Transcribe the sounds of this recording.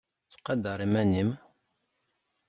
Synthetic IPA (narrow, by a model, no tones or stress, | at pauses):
t͡sːqɑd̪əɾˤimænim